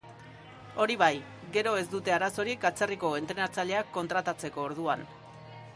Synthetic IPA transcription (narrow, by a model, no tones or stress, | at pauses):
o̞ɾiβaj | ɡe̞ɾo̞e̞zd̪ut̪e̞aɾaso̞ɾikat͡se̞riko̞e̞nt̪ɾe̞naɾt͡saʎe̞akːo̞nt̪ɾat̪at͡se̞ko̞ːɾð̞uan